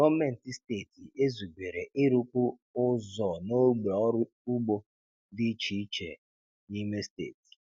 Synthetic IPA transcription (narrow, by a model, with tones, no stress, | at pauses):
ɡɔ˦me˦n̩˨ti˦ste˦˨ti˨e˦zi˨ɡʷe˨ɾe˨ʔɪ˦ɾu˦ku˦ | ʊ˦zɔ˨no˦ɡ͡be˨ɔ˦ɾʊ˦ | u˦ɡ͡bo˦ | di˦t͡ʃi˦t͡ʃḛ˨ | ni˦me˦stḛː˦˨ti̥˨